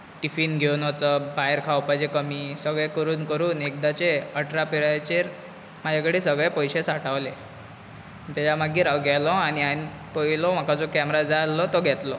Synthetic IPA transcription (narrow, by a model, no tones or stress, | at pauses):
ʈifiːnɡʱewnɔt͡səbajəɾkʰawpad͡ʑekəmiːsəɡɭekəɾuːnkəɾuːnek̚d̪at͡ɕeəʈɾapiɾajt͡ɕeɾ | m̤ad͡ʑʱakəɽiːsəɡɭepəjɕesaʈʰaʋle | t̪at͡ɕamaɡiːɾawɡʱɛlɔañiani | pəilɔm̤akad͡zɔkɛmɾad͡zalɔt̪ɔɡʱɛt̪lɔ